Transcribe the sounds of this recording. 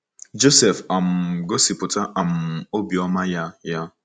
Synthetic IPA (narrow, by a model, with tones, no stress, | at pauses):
d͡ʒo˦sɛ˨fa˨m̩˨ɡo˦si˨pʊ˨ta˦ʔa˨m̩˨o˦bi˨ɔ˦ma˦ja˦ja˦